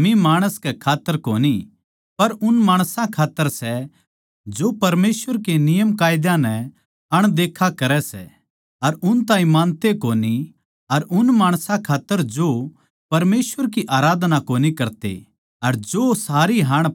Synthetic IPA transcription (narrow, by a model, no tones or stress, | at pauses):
mĩmaːɽ̃əskɛkʰaːt̪ːəɾkoːni | pɐɾʊnmaːɽ̃sãkʰaːt̪ːəɾsɛ | d͡ʒopɐɾmeːsʋəɾkenɪjəmkaːjd̪jãnɛ | ɐɽ̃d̪eːkʰakɐɾɛsɛ̰ | ɐɾʊnt̪ãːĩmãːnt̪ekoːni | ɐɾʔʊnmaːɽ̃sãkʰaːt̪ːəɾd͡ʒo | pɐɾmeːsʋəɾk̬iʔaːɾaːd̪nakoːnikɐɾt̪ḛ | ɐɾd͡ʒosaːɾiɦɐɽ̃